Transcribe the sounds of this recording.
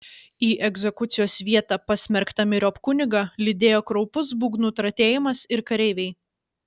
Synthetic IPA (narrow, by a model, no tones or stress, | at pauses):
iːʔɛɡzʲɛkʊt̪sʲɪjoːsʋʲiɛt̪ɑpɐsʲmʲɛɾkt̪ɐmʲɪɾopkʊnʲɪɡɐlʲɪd̪ʲeːjoːkɾɔʊpʊsbuːɡnuːt̪ɾɐt̪ʲeːjɪmɐsɪɾkɐɾʲɛɪʋʲɛɪ